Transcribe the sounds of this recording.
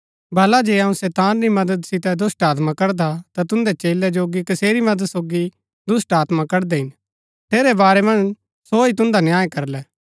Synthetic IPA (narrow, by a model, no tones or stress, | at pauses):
bɐlad͡ʒeːɐũsɛːt̪aːnɾimɐd̪əd̪sɪt̪ɛd̪ʊsʈaːt̪mãkɐɾd̪at̪at̪ʊ̃nd̪ɛt͡ʃeːlɛd͡ʒoːɡikɐseːɾimɐd̪əd̪soːɡi | d̪ʊsʈaːt̪mãkɐɾd̪ɛɦɪn | t̪ʰeːɾɛbaːɾɛmɐ̃n | soit̪ʊ̃nd̪anjaːekɐɾlɛː